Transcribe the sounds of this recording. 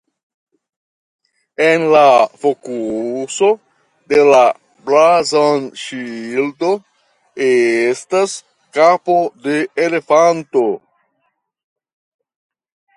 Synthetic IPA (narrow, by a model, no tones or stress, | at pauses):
e̞nlafo̞kuso̞ | de̞la | bɾazonʃildo̞ | estas | kapo̞de̞ːle̞fanto̞